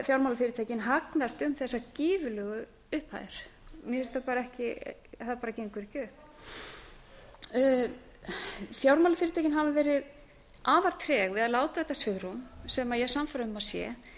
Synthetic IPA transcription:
fjawɾmawlafɪːɾɪt̪ʰeːcɪnɦaknast̪ʏmθɛsːaciːvʏlœːɣʏ | ʏhpha̰jðɪɾ̥mjɛɪst̪apaːɾaɛhcɪθaðpaːɾaceŋkvʏɾcʏhp | fjawɾmawlafɪɾɪt̪ʰaːcɪnɦavavɛːɾɪð | ʔaːvaɾt̪ʰɾɛɣvɪðaðlaːwt̪aðɛht̪ːasvʏðɾumsɛmajɛɣsamfaɾaʏmːasjɛ̰

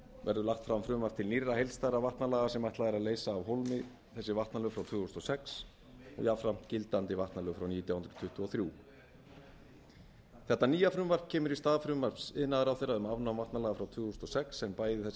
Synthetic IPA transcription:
vɛ̰ɾðʏlaxt̪fɾamfɾʏmvaɾ̥t̪ʰɪlnirːahejlst̪ajɾavaht̪nalaːɣasɛmajht̪laðɛɾaðleːjsaːvɦowlmɪ | θɛsːɪvaht̪nalœːɣfɾawt̪ʰvʏːhust̪ɔsɛks | ɔ̰ɣjafɾam̥t̪cɪlt̪ant̪ɪvaht̪nalœːɣfɾawniːt̪jawhʏnt̪ɾʏ̥t̪ʰʏht̪ʏɔθɾju | θɛht̪aniːjafɾʏmvaɾ̥cʰɛːmʏɾist̪aːðfɾʏmvaɾ̥psɪðnaðʏɾawθejɾːaðʏmavnamvaht̪nalaːɣafɾawt̪ʰvʏːhust̪ɔsɛksɛnpaːjðɪθɛs

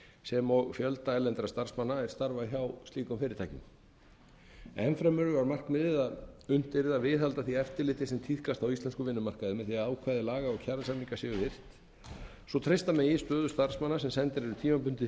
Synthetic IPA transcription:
sɛmɔɣfjœlt̪aɛlːɛnt̪ɾast̪ar̥smanːaɛɾ̥st̪aɾvaçawst̪liːkʏmfɪːɾɪɾt̪ʰajcɪ̰m | ɛnfɾɛmʏɾʏvaɾmar̥kmɪðɪðaðʏn̥t̪ɪɾɪðavɪðalt̪aθiɛft̪ɪɾlɪːt̪ɪsɛmt̪ʰiθkast̪awist̪ɛnskʏvɪnːʏmar̥kaðɪmɛðθiaðaːwkʰaːðɪlaːɣaɔɣcʰaɾðsanmiŋkasɪɣʏθɪr̥t̪ | sɔt̪ʰɾejst̪amɛjɪst̪œːðʏ̥st̪aɾ̥smanːasɛmsɛnt̪ɪɾɛɾʏt̪ʰiːmapʏn̥t̪ɪ

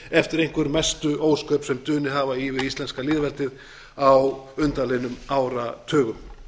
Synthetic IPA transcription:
ɛft̪ɪɾejŋ̥kvʏɾmɛst̪ʏʔoːwskœːpsɛmt̪ʏːnɪɦaːvaivɪðist̪lɛnskalɪːðvɛlt̪ɪð | awʏnt̪alejnʏmaːwɾat̪ʰœːɣʏm

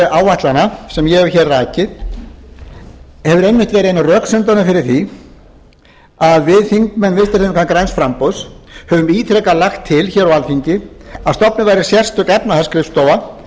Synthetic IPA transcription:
aːwvaht̪lanasɛmjɛɛvçɛrːaːcɪð | hɛvʏɾejnːvɪht̪vɛːɾɪenrœːksʏnt̪anʏfɪɾɪɾ̥θi | aðvɪðθiŋkmɛnːvɪst̪ɪɾθmkʰankɾajnsfɾampowðshɛvʏmiːt̪ʰɾɛkalaxt̪ʰːɪlçɛːɾawalfiɲcɪast̪ɔpnɪvajɾɪ̥sjɛr̥st̪ʏkɛpnaθaskɾɪfst̪oːwva

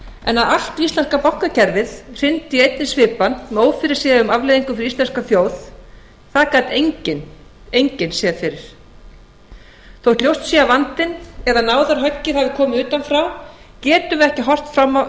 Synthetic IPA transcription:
ɛnːaðal̥t̪vist̪lɛnskapawhkacʰɛɾvɪðr̥ɪnt̪iejt̪̚nɪsvɪːpanmɛoːwfɪɾɪ̥ɾ̥sɛːðʏmavleːðiŋkʏfɪɾist̪ɛnskaθjoːwð | θaðkaːt̪eɲcɪn | ejɲcɪnsɛðfɪɾɪɾ̥ | θowt̪ljowst̪siavant̪ɪnɛðanaːwðaɾɦœcːɪθavɪkʰɔːmɪʏːt̪anfɾaw | cɛːt̪ʏmɛhcɪɦɔr̥t̪fɾamːa

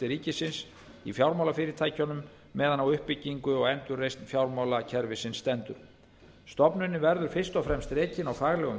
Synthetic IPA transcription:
ɪɾiːcɪsɪns | ifjawɾmawlafɪːɾɪɾt̪ʰaːjcanʏmː | ɛːðanawʏhpːɪcːiŋkʏɔɣɛnt̪ʏrːejst̪nfjawɾmawlacʰɛɾvɪsɪnsːt̪ɛnt̪ʏɾ̥ | st̪ɔpnʏnːɪvɛɾðʏɾ̥fɪr̥st̪ɔfɾɛmst̪reːcɪnawfaːɣlɛɣʏm

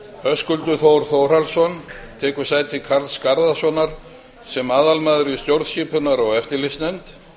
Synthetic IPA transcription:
œskʏlt̪ʏθowɾ̥θowr̥alsɔn | t̪ʰɛːkʏ̥saːjt̪ʰɪkʰaɾlskaɾðasɔnaɾ̥ | sɛmaːðalmaːðʏɾist̪jowɾðsçiːpʏnaɾɔɣɛft̪ɪlɪst̪nɛnt̪

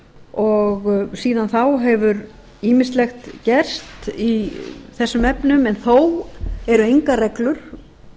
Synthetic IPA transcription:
ɔɣsiːðanθawɦɛvʏɾ | iːmɪst̪lɛxt̪cɛr̥st̪iθɛsːʏmɛpnʏmɛnθowɛɾʏejŋkarɛklʏɾ̥

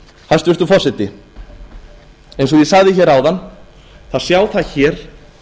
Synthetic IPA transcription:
hast̪vʏɾt̪ʏfɔsɪt̪ɪ | ẽjnsɔjɛsaɣðɪçɛːɾaːwðanː | θaðsjaːwθaðçɛːɾ̥

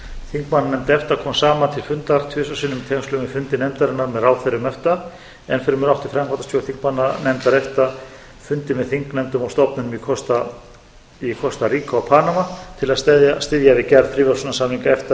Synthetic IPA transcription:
θiŋkmanːanɛmt̪ɪɛft̪akʰɔːmsaːmant̪ʰɪlfʏnt̪aɾ̥t̪ʰvʏːsasʏnʏmt̪ʰɛslʏmʏfʏnt̪ɪnɛmt̪aɾɪnːaɾmɛðɾaːwθɛɾːʏmɛft̪a | ɛnfɛɾʏmɛɾawht̪ɪ̥fɾɛmkʰant̪ast̪ʰɔwθiŋkmanːanɛmt̪aɾɛft̪a | fʏnt̪ɪmɛðθiŋknɛmt̪ʏmawst̪ɔpnʏnʏmikʰɔst̪a | ikʰɔst̪aɾiːkaawpʰaːnamat̪ʰɪlaðst̪ɛðjast̪ɪðjavɪcɛɾðfɾiːvaɾsʏnasaːmiŋkaɛft̪a

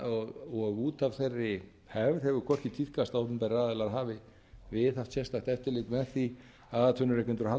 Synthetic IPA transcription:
ɔɣɔɣuːt̪av̥θejrːɪ | hɛvɾ̥hɛvʏkʰɔr̥c̪ɪt̪ʰiθkast̪awhpʏmpɛɾaːðɪlaɾɦaːvɪ | vɪðaft̪sɛst̪aht̪ɛft̪ɪlɪk̪mɛðθi | aðat̪ʰvœnʏɾɛkɪnɾha

